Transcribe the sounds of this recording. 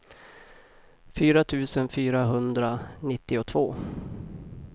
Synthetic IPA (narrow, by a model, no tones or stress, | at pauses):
fyːɾat̪ʰʉ̟ːsənfyːɾaɦɵnd̪ɾanɪt̪ːɪɔt̪ʰvoː